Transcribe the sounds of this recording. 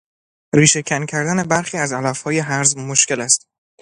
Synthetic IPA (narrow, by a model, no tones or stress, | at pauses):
ɾiːʃe̞cʰæncʰæɾd̪æne̞bæɾxiːæzælæfhɒːje̞ɦæɾzmoʃke̞læst̪̚